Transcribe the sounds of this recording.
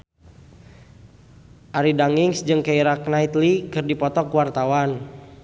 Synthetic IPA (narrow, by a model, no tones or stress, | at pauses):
ʔaɾidaŋiŋsd͡ʒɨŋkaiɾaknait̪likɨrdipɔt̪ɔkwart̪awan